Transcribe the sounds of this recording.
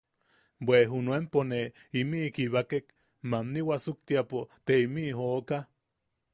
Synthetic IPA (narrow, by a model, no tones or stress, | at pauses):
bweɦunuempone | imikiβakek | mamniwasuk̚t̪iapot̪eimiɦoːka